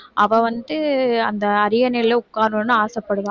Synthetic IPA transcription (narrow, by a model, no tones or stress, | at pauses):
ʔɐʋɐ̃ʋɐnd̪ɯɐnd̪ɐːɾɪjɐnɛleʊkːaːɾʋõnːɯaːsɐpːɐɽɯʋãː